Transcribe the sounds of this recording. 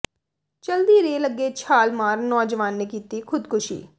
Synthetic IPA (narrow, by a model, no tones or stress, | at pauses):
t͡ʃəld̪iːɾeːləɡːeːt͡ʃʰaːlmaːɾnɔːd͡ʒʋaːnːeːkiːt̪iːkʰʊd̪kʰʊʃḭː